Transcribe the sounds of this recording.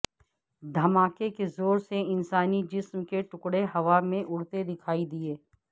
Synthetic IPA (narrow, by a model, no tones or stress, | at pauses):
d̪ʱɐmaːkekezoːɾseɪnsaːnid͡ʒɪsmkeʈʊkɽeɦɐʋamẽʔʊɽt̪ed̪ɪkʰaːid̪ɪeː